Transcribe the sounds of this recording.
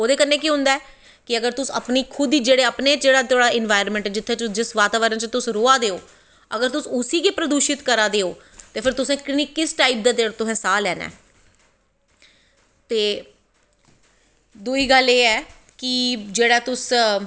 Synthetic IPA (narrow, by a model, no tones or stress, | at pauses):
oːd̪eːkənːeːk̬iːɦʊ̃nd̪aɛː | kɪəɡəɾt̪ʊsə̰pniːkʰʊd̪iːd͡ʒeːɽeːəpneːd͡ʒeːɽaːt̪ʰoːɽaːɪnʋaːɪɾmɛ̃ɳʈɛːd͡ʒɪt̪ʰːeːt͡ʃd͡ʒɪsʋaːt̪aːʋəɾənt͡ʃt̪ʊsɾoːaːd̪eːoː | əɡəɾt̪ʊsʊsiːkepɾəd̪uːʃɪt̪kəɾaːd̪eːoː | t̪eːpʰɪɾt̪ʊsẽːkɪniːkːɪsʈaːip̚d̪aːd̪eːɽt̪ʊsɛ̃ːsaːlɛːnɛ̰ː | t̪eː | d̪uːiːɡəleːɛː | kɪd͡ʒeːɽaːt̪ʊs